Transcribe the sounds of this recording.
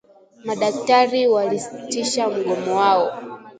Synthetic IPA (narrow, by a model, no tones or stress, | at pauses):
maɗaktaɾiwalisi̥tiʃam̩ɡɔmɔwaɔ